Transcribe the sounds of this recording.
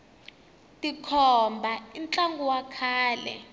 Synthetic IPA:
tʼikʰɔmbʱaimt͡ɬaŋɡuwakʰaːlɛ̰

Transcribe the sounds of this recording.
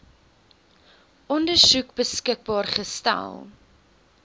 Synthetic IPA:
ʔɔndərsukbəskək̚bɑːrχəstæ̰lˠ

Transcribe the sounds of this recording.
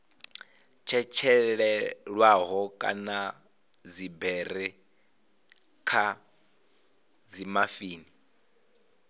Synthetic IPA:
t͡ʃʰɛt͡ʃʰɛɺɛɺwaɦɔkʼa̰na | d͡zibɛrɛ | kʰa | d͡zimafiːni

